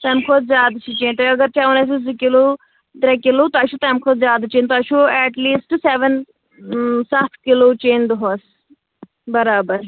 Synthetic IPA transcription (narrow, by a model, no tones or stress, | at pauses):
t̪ɐmkʰod̪zjaːd̪t͡ʃʰit͡ʃeːnt̪ɔɐɡɐɾt͡ʃaunas̬isd̪ikiloː | t̪ɾekilot̪ɔɐʃʰut̪ɐːmkʰoːd̪zjaːd̪t͡ʃeːnt̪ɔɐʃʰuɛːʈliːsʈseʋən | sat̪ʰkiloːt͡ʃeːnd̪uɦoːs | bɐɾaːbəɾ